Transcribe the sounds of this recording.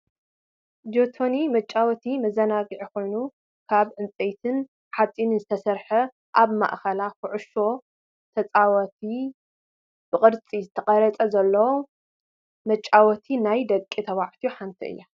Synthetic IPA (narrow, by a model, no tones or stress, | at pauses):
d̪ot̪ʰo̞nimɐt͡ʃʼːawɔt̪ʰimɐzɐnaɡiʕikʰo̞jnu | kʰaβʕɨnt͡sʼejt̪ʰɨn | ħat͡sʼinɨnzɨt̪ʰɐsɐɾħɐ | ʔaβma̰ʔxɐlakʊʕʊʃo̞ | t̪ʰɐt͡sʼawɐt̪ʰi | b̥ɨkʼɨɾt͡sʼizɨt̪ʰɐqʼɐɾɐt͡sʼɐzɐlːɐwo | mɐt͡ʃʼːawɔt̪ʰinajd̪ɐkʼːit̪ʰɐβaʕt̪ʰijuħant̪ʰiʔɨ̰jːa